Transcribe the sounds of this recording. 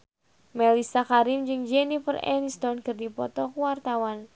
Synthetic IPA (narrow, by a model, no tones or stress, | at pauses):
mɛlisakaɾimd͡ʒɨŋd͡ʒɛnifərɛ̰nst̪ɔnkɨrdipɔt̪ɔkuwart̪awan